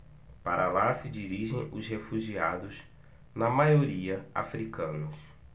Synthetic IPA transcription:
pa̰ɾʔɐlasɪd͡ʒiɾiʒḛ̃j̃ʊ̰shefuʒiad̪ʊz | nɐmajoɾiɐa̰fɾikɐ̃nʊs

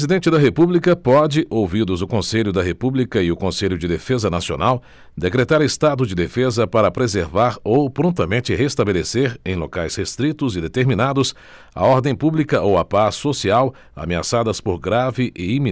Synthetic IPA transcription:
zid̪ẽnt͡ʃɪd̪ɐɦepublikɐpɔd͡ʒɪʔowvid̪ʊzʊkõseʎʊd̪ɐɦepublikɐɪʊkõseʎʊd͡ʒɪd̪efezɐnasio̰naw | d̪ekɾet̪aɾest̪ad̪ʊd͡ʒɪd̪efezɐpaɾɐpɾezeɾvaɾowpɾõnt̪ɐmẽnt͡ʃɪɦest̪abeleseɾẽj̃lokajshest̪ɾit̪ʊzɪd̪et̪eɾminad̪ʊs | ɐ̰ɔɾd̪ẽj̃publikɐʔowɐpasːosiaw | a̰mea̰sad̪ɐspoɾɡɾavɪʔɪimĩ

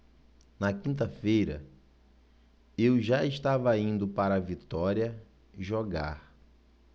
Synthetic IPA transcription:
nɐkĩnt̪̬ɐfejɾɐ̰ | ewʒaeʃt̪avɐĩnd̪ʊpaɾɐːvit̪ɔɾiɐ | ʒoɡa̰ɾ

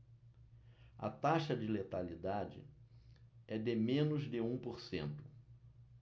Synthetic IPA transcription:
ɐ̰t̪aʃɐd͡ʒɪlet̪alid̪ad͡ʒɪ̰ | ɛd̪ɪmẽnʊzd̪ɪũpoɾsḛ̃nt̪ʊ̥

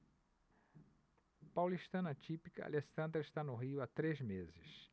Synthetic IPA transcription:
pawliʃt̪ɐ̃nɐat͡ʃipikɐa̰lesɐ̃nd̪ɾɐɪʃt̪anʊɦiʊat̪ɾezmezɪs

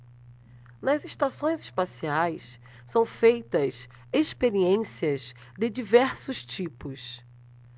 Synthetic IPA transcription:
nɐzeʃt̪asõj̃zɪʃpasiajs | sɐ̃w̃fejt̪ɐs | eʃpeɾiẽsiɐz | d̪ɪd͡ʒivɛɾsʊst͡ʃipʊs

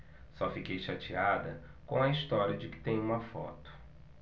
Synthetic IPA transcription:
sɔfikejʃat͡ʃiad̪ɐ | kõɐist̪ɔɾiɐd͡ʒɪkɪ̥t̪ẽj̃ũmɐfɔ̰t̪ʊ̥

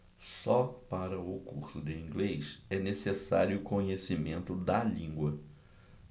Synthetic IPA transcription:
sɔpaɾɐʊkṵχsʊd̪ɪĩŋɡlejʃɛnesesaɾjʊːkõɲesimẽnt̪ʊd̪ɐlĩŋɡwɐ

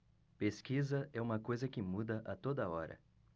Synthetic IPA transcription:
peskizɐʔɛũmɐkojzɐkɪmud̪ɐʔɐt̪od̪ɐɔɾɐ̰

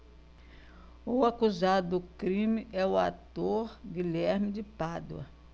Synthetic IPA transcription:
uakuzad̪ʊdʊkɾĩmɪɛʊa̰t̪oɾɡɪlɛɾmɪd̪ɪpad̪w̰ɐ̰

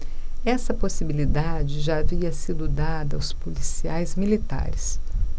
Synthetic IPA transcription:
ɛsɐposibilid̪ad͡ʒɪʒaaviɐsid̪ʊd̪ad̪ɐwspulisiajzmilit̪a̰ɾɪs

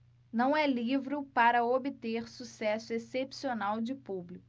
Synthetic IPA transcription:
nɐ̃w̃ɛlivɾʊpaɾɐobɪt̪eɾsusɛsʊesepsionawd͡ʒɪpublikʊ

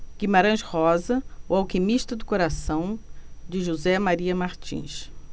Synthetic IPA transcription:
kɪmaɾɐ̃ʃhɔzɐʊawkimiʃt̪ɐd̪ʊkoɾasɐ̃w̃d͡ʒɪʒuzɛmaɾiɐmaɾt͡ʃḭ̃ʃ

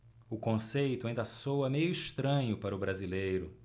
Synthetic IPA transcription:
ʊkõsejt̪ʊaĩnd̪ɐsowɐmejʊiʃt̪ɾɐ̃ɲʊpaɾɐʊbɾazilejɾʊ

